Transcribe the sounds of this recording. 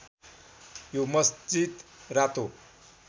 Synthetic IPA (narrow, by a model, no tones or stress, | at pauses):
jomʌsd͡ʑid̪rat̪o